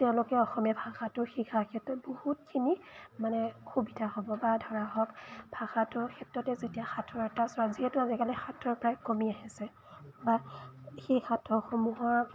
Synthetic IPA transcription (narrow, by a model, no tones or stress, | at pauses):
tɛʊ̃lʊkɛɔxɔmɛbʱaxatʊxikʰakʰɛtɹɔbohut̚kʰinimanɛxubidʱahɔbɔbadʱɔɹaɦɔkbʱaxatʊɹkʰɛtɹɔtɛzetijaxatʰɔɹɛtasɔɹaziɦɛtʊazɛkalɛxatʰːɔɹpɹajkomiaɦisɛ | baxexatʰːɔxomuɦa